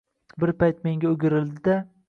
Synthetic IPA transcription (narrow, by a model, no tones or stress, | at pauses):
bɪɾpajt̪̚me̞ŋɡʲaʊɡʲɪɾɪld̪ɪd̪a